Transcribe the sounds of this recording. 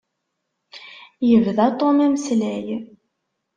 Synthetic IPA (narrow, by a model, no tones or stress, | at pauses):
jəvðæt̪ˤomæməslæj